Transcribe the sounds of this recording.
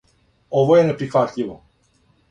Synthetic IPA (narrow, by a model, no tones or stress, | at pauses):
ovojɛnɛpɾixvat̪ʎʲiʋɔ